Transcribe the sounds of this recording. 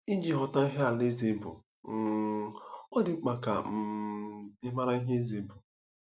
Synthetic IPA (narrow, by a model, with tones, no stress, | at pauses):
i˦d͡ʒi˨ɦɔ˨ta˦i˦ɦe˦a˨le˦ze˨˦bʊ̰˨ | ɔ˦dɪ˨˦k͡pa˨ka̰˨m̩˦ | ɪ˦ma˦ɾa˦i˦ɦe˦e˦ze˨˦bʊ˨